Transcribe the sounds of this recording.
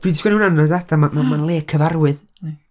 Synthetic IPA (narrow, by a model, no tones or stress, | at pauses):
viːdsɡwɛnunanɔdadʰamamamanlˠeːkʰəvarwɨð